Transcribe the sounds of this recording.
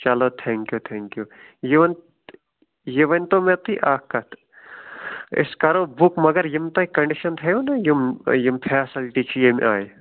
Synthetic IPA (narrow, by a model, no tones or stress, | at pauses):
t͡ʃɐloːt̪ʰɛŋkjut̪ʰɛŋkju | jiʋɐn | jiʋɐnʲt̪omet̪ʰḭʔaːkːɐt̪ʰ | ɪ̰skɐɾoːbukmɐɡɐɾjimt̪ɐikɐɳɖiʃɐnt̪ʰɐjoːnɐjimjimpʰɛːsilʈit͡ʃʰijimʔaːj